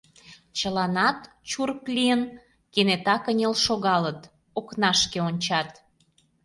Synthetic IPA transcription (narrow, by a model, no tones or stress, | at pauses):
t͡ɕəlɑnɑt̪ | t͡ɕurəklʲijən | kenet̪ɑkənʲelʃoɣɑlət̪ | oknɑʃkeonʲt͡ɕɑt̪